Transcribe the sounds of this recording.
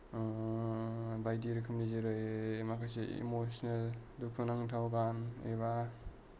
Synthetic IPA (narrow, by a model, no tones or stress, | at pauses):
bajdiɾɯkʰɯmlizeɾɯjmakʰajseḭmosnaldukʰunaŋtʰawɡaneβa